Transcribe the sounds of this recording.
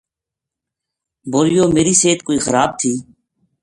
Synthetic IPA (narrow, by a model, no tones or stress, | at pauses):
boːɾɪjoːmeːɾiːseːt̪koːiːxəɾaːb̚t̪ʰiː